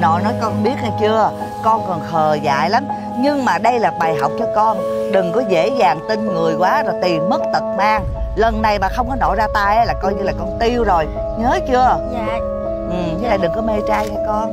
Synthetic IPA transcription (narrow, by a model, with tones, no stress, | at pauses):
nɔ̰˧˨jnɔ˨˦jkɔ˧nɓi˦˥ət̚naː˨˩t͡ɕɨ˧ə | kɔ˧nkɔ˨˩nxʰəː˨˩za̰ː˧˨jla˨˦m | ɲɨ˧ŋmaː˨˩ɗə˧jlaː˨˩ɓaː˨˩jɦa̰˨˩wk͡p̚t͡ɕɔ˧kɔ˧nɗɨ˨˩ŋkɔ˨˦zḛ˧˥zaː˨˩ŋt̪i˧ŋŋɨ˨˩əjkwaː˨˦zɔ˨˩jt̪i˨˩mmə˦˥t̚t̪ə˨˩t̚maː˧ŋ | lə˨˩nːa˨˩jɓa̰ː˨˩xə˧wŋ͡mkɔ˨˦no̰˧˨zaː˧t̪aː˧jʔlaː˨˩kɔ˧jɲɨ˧laː˨˩kɔ˧nt̪i˧əwzo˨˩j | ɲəː˨˦t͡ɕɨ˧ə | ʔɨ˨˩ɲ˧˦laː˨˩ɗɨ˨˩ŋkɔ˨˦me˧t͡ɕaː˧jkaː˨˦kɔ˧˦n